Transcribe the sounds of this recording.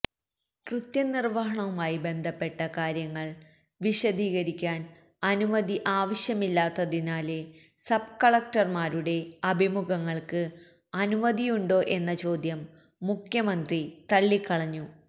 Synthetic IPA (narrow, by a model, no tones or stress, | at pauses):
krɨt̪jɐnirʋɐɦɐɳɐʋumaːjibe̞nd̪ʱɐpːe̞ʈːɐkaːɾjɐŋːɐɭ | ʋiɕɐd̪iːɣɐɾikʲːaːn | ɐnumɐd̪iʔaːʋɐɕjɐmilːaːt̪ːɐðinaːle | sɐb̚kɐɭɐk̚ʈɐrmaːɾuɽe̞ɐbʱimuɡɐŋːɐɭkɨ | ɐnumɐd̪ijuɳɖo̞ːʔe̞nːɐt͡ɕo̞ːd̪jɐmː | ukʰjɐmɐnd̪rit̪ɐɭːikːɐɭɐɲːu